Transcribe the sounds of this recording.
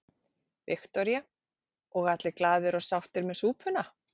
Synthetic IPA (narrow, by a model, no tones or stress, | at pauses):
vɪxt̪ɔɾja | ɔɣat̪lɪklaːðɪɾɔɣsawht̪ɪɾmɛðsuːpʰʏna